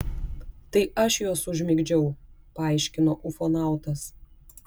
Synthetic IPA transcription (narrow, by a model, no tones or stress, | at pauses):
t̪ɐɪɐʃjoːsʊʒʲmʲɪɡd͡ʒʲɛʊ | pɐɐˑɪʃʲkʲɪnoːʔʊfonɑˑʊt̪ɐs